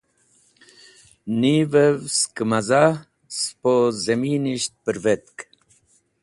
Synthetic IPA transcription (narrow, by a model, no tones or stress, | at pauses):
nivevskəmaza | spozemiːniʃt̪̚pəɾvet̪k